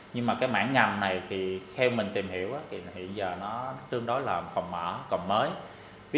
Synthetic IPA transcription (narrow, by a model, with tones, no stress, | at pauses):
ɲɨ˧ŋmaː˨˩kaː˨˦jma̰ː˧˥ŋŋa˨˩mna˨˩jt̪ʰi˨˩xɛ˧wmï˨˩ŋ̟t̪i˨˩mhi˧˩əwʔaː˨˦t̪ʰi˨˩hḭ˧˨ənzəː˨˩nɔ˨˦t̪ɨ˧əŋɗo˨˦jlaː˨˩fə̰˨˧˨wŋ͡mmə̰ː˧˩kə̰˧˨ŋ͡mməː˨˦j | vi˨˦